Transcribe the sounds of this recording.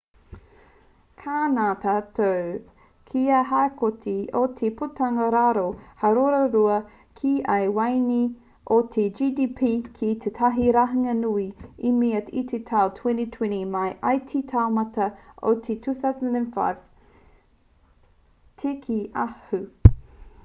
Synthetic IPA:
kʰaːnat̪ʰaːt̪ʰow | kʰiaɦaekʰotʰiot̪ʰeputɐŋɐɾaɾohɐɾoɾɐɾuɐ | kʰiʔɐjwajni | ʔot̪ʰed͡ʒidipʰiːkʰit̪ʰet̪ʰɐɦiɾaɦɐŋɐnuiimiɐtḭt̪ʰet̪ʰawtʰwɛnit̪ʰwɛ̃nimɐjʔajt̪ʰit̪ʰaomɐtɐʔo̰t̪ʰetʰuːθawzəndɛ̃nfa̰jv̥ | tʰekʰiʔahu

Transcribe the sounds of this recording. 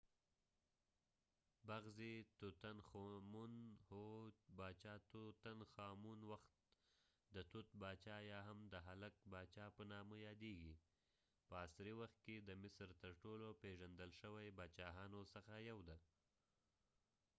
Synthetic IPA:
baɣzit̪ut̪anxmunhobɑt͡ʃɑt̪ut̪anxɑmunwaxt̪̚ | d̪ət̪ut̪̚bɑt͡ʃɑjɑɦamd̪əɦalak̚bɑt͡ʃɑpənɑməjɑd̪eɡi | pəasɾiwaxt̪̚ked̪əmɪsɾt̪əɾʈolopeʒand̪əlʃəwajbɑt͡ʃɑɦɑnosəxajawd̪a

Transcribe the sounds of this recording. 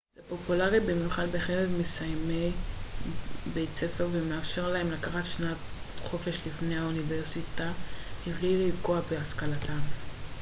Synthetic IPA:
z̥epo̞pulaʁibimjuχalbeχeʁevmesajmej | bejt͡se̞fe̞ʁvemeafʃe̞ʁlaɦemlakaχatʃnatχo̞fe̞ʃlifnejhauniveʁsitahivliliikoabeaskalatʰam

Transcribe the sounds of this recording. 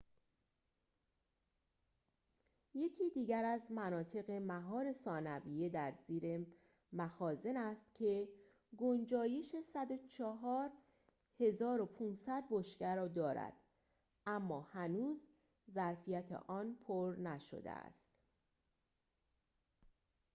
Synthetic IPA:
je̞cʰiːd̪iːɟæɾæzmænɒːt̪ʰe̞ɣe̞mæɦɒːɾe̞sɒːnæbijed̪æɾziːɾe̞ | mæxɒːze̞næst̪cʰe̞ | ɡond͡ʒɒːje̞ʃe̞sæd̪ot͡ʃʰɒɦɒːɾ | he̞zɒːɾo̞pʰuːnsæd̪̚boʃcæɾɒːd̪ɒːɾæ̰d̪̥ | æmːɒːhænuːz | zæɾfijæt̪ʰḛʔɒːnpʰoɾnæʃo̰d̪ḛæ̰st̪

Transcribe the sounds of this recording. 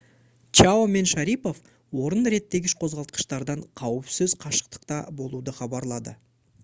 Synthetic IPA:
t͡ʃaome̞nʃɑɾijpo̞f | wo̞ɾənɾe̞t̪ːe̞ɡʲɪʃqʰo̞zʁɑlˠt̪̚qə̥ʃt̪ɑɾd̪ɑɴqʰɑwəpsɪzqʰɑʃə̥q̚t̪ə̥qt̪ɑbo̞lˠud̪əχɑbɑɾlˠɑd̪ə̰

